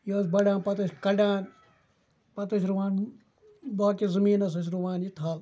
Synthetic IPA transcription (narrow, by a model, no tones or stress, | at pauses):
joːsbɐɖãːnpɐt̪ɐsʲkɐɖaːn | pɐt̪ɐsɾuʋaːn | d̪aːkizɨmiːnɐs̬ɐs̬ɾuʋaːnjit̪ʰaːl